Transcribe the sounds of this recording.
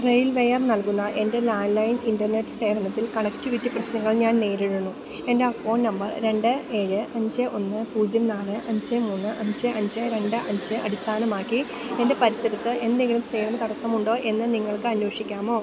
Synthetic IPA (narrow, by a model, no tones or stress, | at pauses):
rejlʋejɐrnɐlkunːɐʔe̞nde̞laːnlɐjnindɐrne̞ʈːɨ̥se̞ːʋɐnɐt̪ːilkɐɳɐktiʋitːiprɐɕnɐŋːɐɭɲaːnne̞ːɾiɻunːu | e̞ndeɐkfo̞ːnnɐmbɐrɾe̞ɳɖɨe̞ːɻɨʔɐɲd͡ʑɨʔo̞nːɨpuːd͡ʑjɐmnaːɭɨʔɐɲd͡ʑɨmuːnːɨʔɐɲd͡ʑɨʔɐɲd͡ʑɨɾe̞ɳɖɨʔɐɲd͡ʑɨɐ̰d̪ist̪ʰaːnɐmaːkːi | e̞nde̞pɐɾisɐɾɐt̪ːɨe̞nd̪eŋɡilumseːɳɐmɐt̪ɐɽɐsːɐmuɳɖo̞ːʔe̞nːɨniŋːɐɭkɨɐnjo̞ːʂikʲːaːmo̞ː